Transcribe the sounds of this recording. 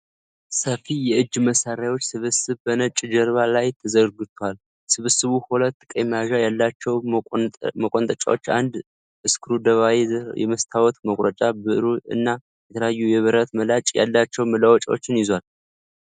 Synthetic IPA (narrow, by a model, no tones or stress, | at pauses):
səfijɛɨd͡ʒːməsaɾajwot͡ʃːsɨβɨsɨβbənət͡ʃʼd͡ʒəɾβalajt̪ʰəzəɾɡɨt̪ʰwal | sɨβɨsɨβuhulət̪ːkʼəmaʒajalːat͡ʃːɛw | məkʼont̪ʼət͡ʃʼa̰wot͡ʃːa̰nd̪ | ɨskʰɨɾud̪əβawejɛ̰məst̪ʰawɔt̪məkʼɾət͡ʃʼabɨʔɨɾuɨ̰nːa | jɛt̪ʰələjajːujɛβɨɾət̪məlat͡ʃʼja̰lːat͡ʃːɛwmɨlawɔt͡ʃʼawot͡ʃːɪnjɪzwal